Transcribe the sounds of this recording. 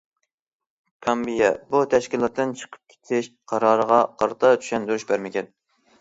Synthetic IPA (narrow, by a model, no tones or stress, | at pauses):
kʰɑmbijɛbut̪ʰɛʃkʲilˠɑt̪ːɨnt͡ʃʰə̥qʰə̥p̚kʲʰe̥t̪ʰɪʃqʰɑɾɑːɾəʁɑqʰɑɾɨt̪ʰɑt̪ʰy̥ʃɛnd̪yɾyʃbæɾmɪkʲɛn